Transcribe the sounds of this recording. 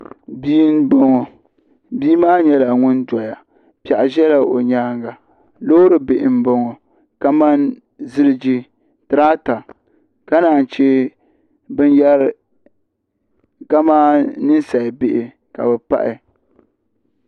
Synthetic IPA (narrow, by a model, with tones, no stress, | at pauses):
biː˦n˦bo˦ŋɔ˨ | biː˦maː˦ɲɛ˦la˨ŋʊ˦ndɔ˨ja˨ | pi˨a˨ʔa˨ʒɛ˦la˨ʔo̰˨ɲaː˦ŋɡa˨ | loː˦ɾɨ˨bɪ˨ʔɪ˨m˦bo˦ŋɔ˨ | ka˦ma˦n | zɨ˦ɾɨ˦d͡ʒi˦ | tɨ˨ɾaː˦ta˨ | ka˦naː˨n̩˨t͡ʃe˦ | bɨ˦njɛ˦ɾ | ka˦maː˦nɨ˦n˦sa˨bɪ˦ʔɪ˨ | ka̰˨bɛ˨pa̰˦ʔɪ̰˨